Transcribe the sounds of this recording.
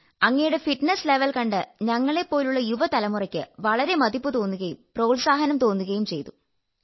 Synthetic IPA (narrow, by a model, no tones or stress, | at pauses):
ɐŋːɐjuɽe̞fiʈnesle̞ʋɐlkɐɳɖɨɲɐŋːɐɭe̞pːo̞ːluɭːɐjuʋɐt̪ɐlɐmurɐkʲːɨ̰ʋɐɭɐɾe̞mɐd̪ipːɨt̪o̞ːnːuɣɐjumproːɭsaːɦɐnɐmt̪o̞ːnːuɣɐjumt͡ɕe̞̰jt̪u